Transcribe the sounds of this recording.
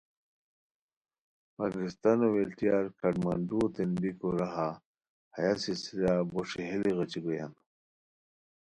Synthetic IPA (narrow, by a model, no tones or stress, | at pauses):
paɡɾist̪anowelt̪ijaɾkʰɐɖmaɳɖut̪enbikoɾaɦa | hɐjasisiɾaboʂiɦiliɣɐt͡ɕiɡojan